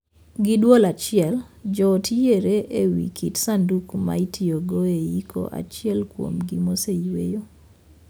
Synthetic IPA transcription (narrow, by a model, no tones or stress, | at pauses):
ɡidwolat͡ʃɪɛld͡ʒɔtʰieɾeʔewḭkʰitsandukma̰itioɡoeikʰo̰ʔa̰t͡ʃɪɛlkwo̰mɡimoseiwḛjo